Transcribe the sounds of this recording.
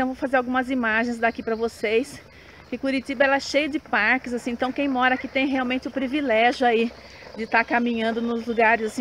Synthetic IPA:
ẽɐ̃w̃vowfazeɾawɡũmɐzimaʒẽj̃zd̪akipɾɐvosejs | kɪkuɾit̪ibɐɛlɐɛʃejɐd͡ʒɪpaɾkɪzasĩẽt̪ɐ̃w̃kẽj̃mɔɾɐakit̪ẽj̃ɦeawmẽnt͡ʃɪʊpɾivilɛʒjʊai | d͡ʒɪt̪aɾkamĩɲɐ̃nd̪ʊnʊzluɡaɾɪzasĩ

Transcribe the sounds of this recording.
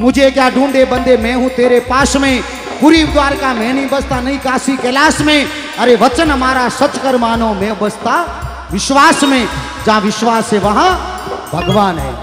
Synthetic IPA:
mʊ̃d͡ʒʱekjaːɖũːɳɖ̪ebɐ̃nd̪emɛ̃ːɦũt̪eːɾepaːsmẽ | puɾiːʋɪd̪ʋaːɾkamẽːnĩbɐst̪anɐĩkaːsikɛlaːsmẽ | ɐɾeʋɐt͡ʃənɐmaːɾasɐt͡ʃkəɾmaːnõmẽːbɐst̪a | ʋɪʃʋaːsmẽ | d͡ʒãːʋɪʃʋaːseʋɐɦã | bʱɐɡʋaːnɦɛː

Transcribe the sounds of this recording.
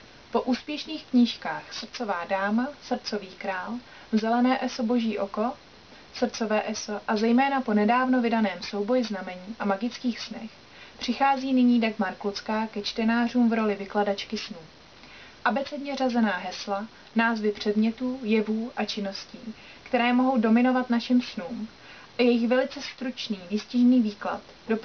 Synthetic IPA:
po̞ʔuːspjɛʃniːxkɲiːʃkaːxsr̩t͡so̞vaːdaːmasr̩t͡so̞viːkɾaːl | zɛlɛnɛːʔɛso̞bo̞ʒiːʔo̞ko̞ | sr̩t͡so̞vɛːʔɛso̞ʔazɛjmɛːnapo̞nɛdaːvno̞vɪdanɛːmso̞wbo̞jɪznamɛɲiːʔamaɡɪt͡skiːxsnɛx | pr̝̥ɪxaːziːnɪɲiːdaɡmaɾkot͡skaːkɛt͡ʃt̪ɛnaːr̝uːmvɾo̞lɪvɪkladat͡ʃkɪsnuː | ʔabɛt͡sɛdɲɛrazɛnaːɦɛsla | naːzvɪpr̝̥ɛdmɲɛt̪uːjɛvuːʔat͡ʃɪno̞scḭː | kt̪ɛɾɛːmo̞ɦo̞wdo̞mɪno̞vat̪naʃɪmsnuːm | ʔajɛjɪxvɛlɪt͡sɛst̪ɾut͡ʃniːvɪscɪʒniːviːkla̰t̪ | dop

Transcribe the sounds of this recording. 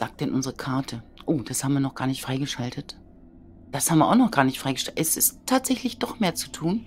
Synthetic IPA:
z̥aːk̚t̚d̥ɛnʔʊnzəʁəkʰaɐtʰəʔoːd̥ashaːbm̩viːɐnɔχɡ̥aːɐnɪçtfʁ̥aɪɡəʃaltʰət | d̥ashaːbm̩viɐʔaʊxnɔχɡ̥aːɐnɪçtfʁ̥aɪɡəʃɛʔɛsɪstʰːaːtz̥ɛçlɪçd̥ɔχmeːɐt͡su̥tʰuːn

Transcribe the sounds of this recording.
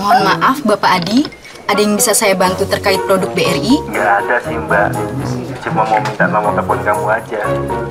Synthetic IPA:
mɔmaʔafbapaːdi | ʔadajaŋbisasajabant̪ut̪ərkaɪt̪̚pɾodʊk̚beɛriŋjaːdasimba | t͡ʃumamomint̪amamɔt̪apɔnkamuad͡ʒa

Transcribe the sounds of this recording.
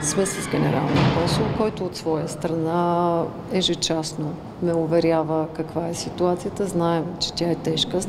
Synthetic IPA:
smɛsəzɡʲɛnɛ̰ɾʔa̰lˠniəkɔsulˠkɔjt̪ʊːt̪svɔjəst̪ɾɐna | ɛʒɛt͡ʃasno | mɛʊvɛɾʲjavəkɐkvaɛsit̪uat̪sijət̪əznaɛmt͡ʃɛ̥t̪ʲjaɛt̪ɛʃkə

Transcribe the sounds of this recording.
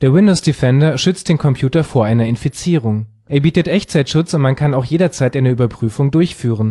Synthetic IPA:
d̥eːɐwɪndoʊsd̥ifɛndɐʃʏt͡st̚d̥eːnkʰɔmpʰj̥uːtɐfoːɐʔaɪnɐɪnfit͡siːʁʊŋ | ʔeːɐbiːtətʔɛçt͡saɪtʃʊt͡sʊntmankʰanaʊxjeːdɐt͡saɪtʔaɪnəyːbɐpʁ̥yːfʊŋdʊɐçfyːʁ̞ən

